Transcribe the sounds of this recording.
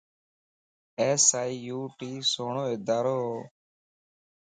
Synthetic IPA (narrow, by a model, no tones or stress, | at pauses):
eːsaːiːjuːʈiːsoːɳoːɪd̪aːɾoːɦː